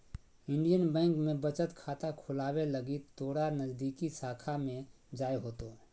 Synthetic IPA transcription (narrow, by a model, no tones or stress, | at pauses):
ɪ̃ɳɖijənbɛ̃ːŋkmẽbət͡ʃət̪kʰaːt̪akʰʊlaːweləɡit̪oːɽanəzd̪iːkisaːkʰamẽ | d͡ʒaːjɦoːt̪o